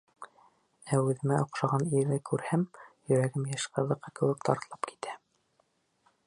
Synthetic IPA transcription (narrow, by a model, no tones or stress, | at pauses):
æʉðɘ̆mæʔŏqʃɑʁɑniɾɘkʉɾhæmjɵ̆ɾæɡɘmjæʃqɤ̆ðɤ̆qːɤkɘ̆wɘk̚t̪ʰɑ̰ɾt̪ɤ̆lˠɑpki̥t̪æ